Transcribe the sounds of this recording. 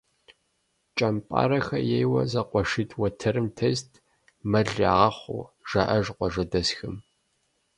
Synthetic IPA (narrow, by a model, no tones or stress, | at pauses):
t͡ʃʼɐmpʼa̰ːɾɐxɐjejwɐ̰zɐqʷɔʂitʼʰwɐtʰɐɾɨmtʰeːstʰʼ | mɐɮaːʁɐχʷʊ̰ʒ̥aʔɐʒqʷɔʒɐdɐsxɨm